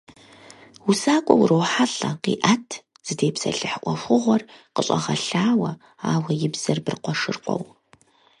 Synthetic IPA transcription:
wʊsaːkʷʼɔwrowħaɬɐqḭːʔatʰ | z̥ɨdeːpsɐ̰ɬɨħʔʷɔxʷʊʁʷɔrqəɕʼɐ̰ʁɐɬaːwɐ | aːwɐjɪbz̥ɐrbɨrqʷɔʂɨ̰rqʷʼɔ̰w

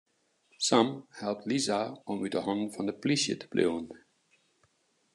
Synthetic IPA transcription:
sãmhɛlˠp̚tlizaʔɔmyt̚dəɦɔnn̩fɔndəplisjə̰tʰə̥blḛwən

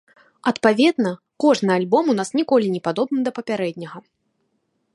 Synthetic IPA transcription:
ɐt̪pavʲɛd̪nɐ | kɔʐnɨalʲbɔmun̪asnʲikɔlʲinʲɛpad̪ɔbnɨd̪ɐpɐpʲaɾɛdʲnʲɐɣɐ

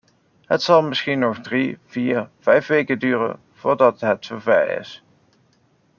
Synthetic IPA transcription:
ɦətsɑlˠmɪsxinɔχdriv̥iːɹv̥ɛjfʋejkədyːrə̰n | v̥ʊːɹdɑtɦətəvɛ̰jɪ̰s

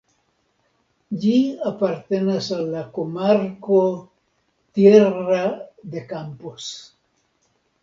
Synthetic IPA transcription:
ʎiapaɾt̪enasalakomaɾko | t̪jerad̪ekampos

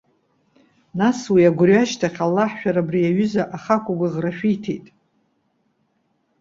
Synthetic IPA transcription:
naswiaɡʷʊrɥaʃtʰaχʲalːaħʃᶣaɾabrijaɥʊzaʔaχakʷʼuɡʷaʁraʃᶣitʰḛjtʼ

